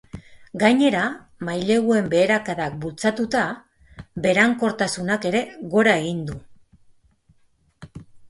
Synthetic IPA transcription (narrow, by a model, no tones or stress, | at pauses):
ɡajɲe̞ɾa | majle̞ɣue̞mbe̞ːɾakaðak̚bult͡sat̪ut̪a | be̞ɾaŋko̞ɾt̪asunake̞ɾe̞ɣo̞ɾae̞ɣind̪u